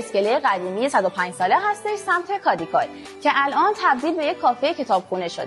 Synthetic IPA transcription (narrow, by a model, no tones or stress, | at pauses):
eske̞lejeɣæd̪iːmijesæd̪opʰæːnd͡ʒsɒːleɦæst̪eʃsæmt̪ʰe̞kʰɒːd̪ikʰɒːl | cʰe̞ʔælʔɒːnt̪ʰæbd̪iːlbe̞jekʰːɒːfejecʰe̞t̪ʰɒːb̥xuːneʃo̰d̪